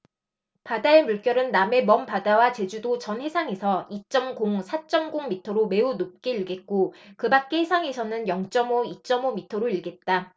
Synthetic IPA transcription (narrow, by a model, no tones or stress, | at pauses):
padae̞muɭk͈jʌɾɯnːame̞mʌmpadawat͡ɕe̞d͡ʑudot͡ɕʌnhe̞sʰaŋe̞sʰʌit͡ɕ͈ʌmɡoŋsʰat͡ɕ͈ʌmɡoŋmitʰʌɾome̞unop̚k͈e̞iɭɡe̞t̚k͈okɯbak̚k͈e̞ɦesʰaŋe̞sʰʌnɯnjʌŋt͡ɕ͈ʌmoit͡ɕ͈ʌmomitʰʌɾoiɭɡe̞t̚t͈a